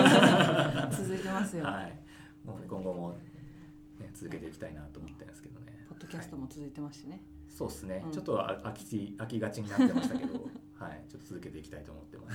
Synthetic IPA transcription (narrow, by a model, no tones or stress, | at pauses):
t͡sɨzɨit̪e̞masɨjohai | moːnkõ̞ŋɡo̞mo̞ | ne̞t͡sɨzɨke̞t̪e̞ikʲi̥t̪ainat̪oːmo̞t̪ːẽnsɨ̥ked̪o̞ne̞pod̪ːokʲasɨ̥t̪omot͡sɨzɨit̪e̞maɕi̥t̪ene | so̞ːesɨne̞t͡ɕo̞t̪ːo̰akʲi̥t͡ɕiakʲiɡat͡ɕiɲ̟inat̪ːe̞aɕit̪aked̪o̞hait͡ɕo̞t̪ːo̥t͡sɨzɨke̞t̪e̞ikʲit̪ait̪o̞ːmo̞t̪ːe̞mas